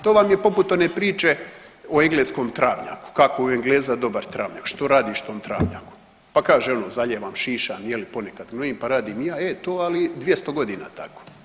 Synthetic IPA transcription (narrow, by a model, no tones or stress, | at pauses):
t̪oːʋamje̞po̞put̪o̞nepɾiːt͡ʃe̞oeŋɡleːsko̞ːmt̪ɾʔa̰ːʋɲa̰ku̥kakoueŋɡleːzad̪o̞baɾt̪ɾa̰ːʋɲa̰kʃt̪oːɾaːd̪iːʃt̪o̞ːmt̪ɾa̰ːʋɲa̰ku̥ | pakaːʒeo̞nozaʎeːʋaːmʃiːʃaːmjelipo̞nekad̪ɡnoiːmpaɾaːd̪iːmjaːet̪oːalid̪ʋjest̪o̞ɡo̞d̪iːna̰ːt̪a̰ko̥